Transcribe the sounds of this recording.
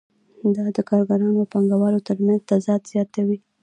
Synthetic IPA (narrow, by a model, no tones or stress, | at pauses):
d̪ɑd̪əkɑɾɡaɾɑnoapaŋɡawɑɾot̪əɾmanzt̪azɑd̪z̥jɑt̪awi